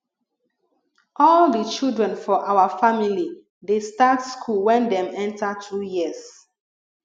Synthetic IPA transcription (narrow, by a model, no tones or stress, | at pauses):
ʔɔldət͡ʃildɹɛ̃nfɔʔawafamili | destatskʰulwɛ̃ndɛ̃mɛ̃ntatʰɹujiəs